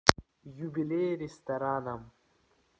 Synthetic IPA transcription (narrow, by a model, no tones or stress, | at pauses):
jubilʲeɾest̪aɾaːnam